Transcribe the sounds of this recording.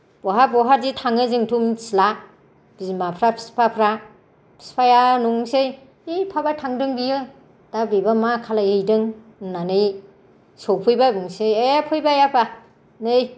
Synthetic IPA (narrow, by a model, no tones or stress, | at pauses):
b̥ɔɦabɔɦaɾditʰaŋɯzɯŋtʰumsla | b̥izmapʰɾapʰi̥spʰapʰɾa | pʰi̥spʰajanuŋsej | epʰabatʰaŋdɯŋbijɯ | d̥abebamakʰalajhejdɯŋ | nanɯj | sowpʰɯjbabɯŋsejepʰɯjbajapʰa | nɯj